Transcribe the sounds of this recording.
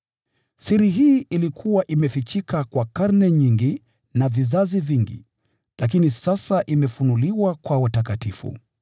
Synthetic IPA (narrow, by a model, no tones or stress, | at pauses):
siɾiɦiːilikʰuwaʔimɛfit͡ʃikakwakaɾnɛɲiŋɡi | navizaziviŋɡḭ | lak̬inisasaʔimɛfunuliwakwawatakatifṵ